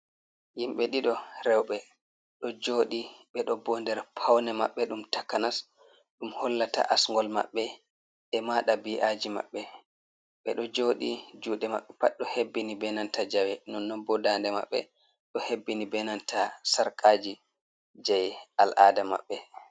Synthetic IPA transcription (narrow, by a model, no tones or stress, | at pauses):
jimɓɛɗiɗɔɾɛwɓɛ | ɗɔd͡ʒoːɗiɓɛɗɔbɔndɛɾpʰawnɛmaɓːɛɗumtakːanas | ɗumhɔlːata̰ʔasŋɡɔlma̰ɓːɛ | ʔɛmaɗabiʔaːd͡ʒima̰ɓːɛ | ɓɛɗɔd͡ʒoːɗid͡ʒuːɗɛma̰ɓːɛpaɗɔhebːinibɛnantad͡ʒawɛnɔnːɔbɔdandɛma̰ɓːɛ̰ | ɗɔhebːinibɛnantʰasaɾkʰaːd͡ʒi | d͡ʒajalʔadama̰ɓːɛ